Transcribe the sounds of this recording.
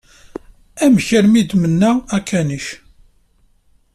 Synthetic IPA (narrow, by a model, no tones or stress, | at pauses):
æmçəɾmid̪mənːæækʰːæniç